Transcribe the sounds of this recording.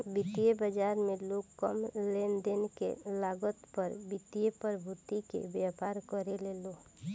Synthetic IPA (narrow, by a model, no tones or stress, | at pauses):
bɪt̪ijebəd͡ʒaːɾmẽloːɡkəmleːnd̪enkḛlaːɡət̪pəɾbɪt̪ijepəɾbʱut̪ikḛbjapaːɾkəɾeleːlo